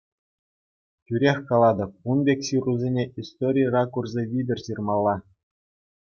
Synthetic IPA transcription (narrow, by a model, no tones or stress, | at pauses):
kʲyɾʲexʲkɑlˠɑd̪ɤ̆p̚unbʲekʲsiruzʲenʲeʔist̪oɾʲijrɑkurzʲeʋʲidʲɘ̆rʲsirmɑlˠːɑ